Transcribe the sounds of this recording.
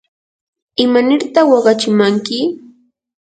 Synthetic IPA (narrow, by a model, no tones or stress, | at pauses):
ɪmanɪɾt̪ɑχwɑɢɑt͡ʃɪmaŋkɪ